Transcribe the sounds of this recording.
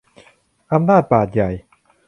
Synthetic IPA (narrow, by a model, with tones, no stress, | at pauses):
ʔa˧mnaː˥˩t̪̚baː˨˩t̪̚ja˨˩j